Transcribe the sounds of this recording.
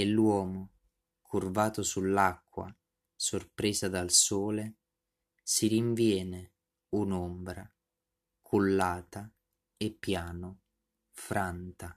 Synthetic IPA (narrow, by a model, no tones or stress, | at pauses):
elːwɔːmo | kʰurvaːt̪osulːakːwa̰ | sorpɾeːzad̪alsoːle | siɾiɱvjɛːne | unombɾa | kʰulːaːt̪a | epːjaːno | fɾant̪a